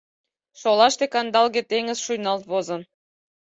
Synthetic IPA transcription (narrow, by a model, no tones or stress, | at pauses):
ʃolˠɑʃt̪ekɑnd̪ɑlɣĕt̪eŋɘ̆zʃujnɑlt̪βozɤ̆